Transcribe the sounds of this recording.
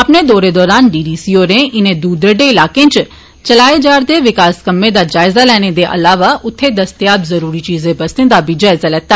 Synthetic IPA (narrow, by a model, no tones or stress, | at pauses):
ɐpned̪ɔːɾed̪ɔːɾaːnɖiːɖiːsioɾẽʔɪnẽd̪uːd̪ɾəɖeɪlaːkẽnt͡ʃ | t͡ʃɐlaːed͡ʒaːɾd̪eʋɪkaːskɐmːẽd̪ad͡ʒaːɪzalɛːɽ̃ed̪eʔɐ̰laːʋaʔʊt̪ʰːed̪ɐst̪ijaːbzɐɾuːɾit͡ʃiːzẽbɐst̪ẽd̪abid͡ʒaːɪzalɛːt̪a